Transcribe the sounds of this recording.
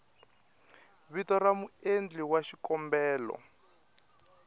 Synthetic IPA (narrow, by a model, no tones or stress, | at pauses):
βitɔramuend͡ɮiwaʃikɔmbɛːlɔ̰